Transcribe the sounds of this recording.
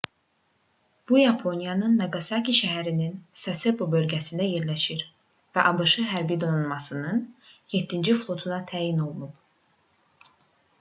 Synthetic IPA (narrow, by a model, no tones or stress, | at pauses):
b̥ujɑpʰo̞njɑnɯnːɑɡɑsɑkiʃæɦæɾininsɑsebobø̞lɟæsind̪æje̞ɾlæʃiɾ | væʔɑbɯʃɯɦæɾbid̪o̞nunmɑsɯnɯnjet̪ʰːind͡ʒiflˠo̞t̪ʰunɑt̪ʰæːjino̞lˠunup